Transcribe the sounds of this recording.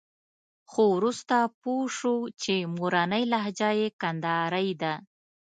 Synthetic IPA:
xowɾust̪apoʂot͡ʃemuɾanəjlaɦd͡ʒajekand̪ɑɾajd̪a

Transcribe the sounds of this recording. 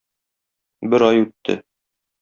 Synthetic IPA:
bɘɾɒjʉt̪ʰːɘ̰

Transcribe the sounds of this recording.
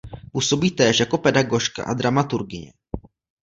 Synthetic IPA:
puːso̞biːt̪ɛːʃjako̞pɛdaɡo̞ʃka̰ʔad̪ɾamat̪uɾɡɪɲɛ̰

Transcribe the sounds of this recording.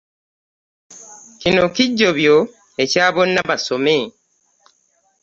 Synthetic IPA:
kinokiɟːoβjo | ecaːβo̞nːaβasome

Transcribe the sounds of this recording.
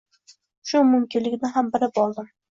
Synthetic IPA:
ʃʊmʊmkʲɪnlːɪkʲnɪɦambɪɾɪpɒlˠd̪ɪm

